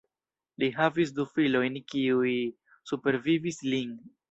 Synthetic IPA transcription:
liɦavis̬dufilo̞jnkiuj | supe̞ɾvivislin

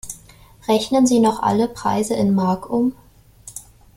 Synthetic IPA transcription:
ʁɛçnənziːnɔχʔa̰ləpʁ̥a̰ɪzəʔɪnmaɐkʔʊm

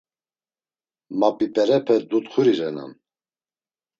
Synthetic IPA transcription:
mapʼipʼɛɾɛpʰɛd̪ut̪χuɾiɾɛna̰n

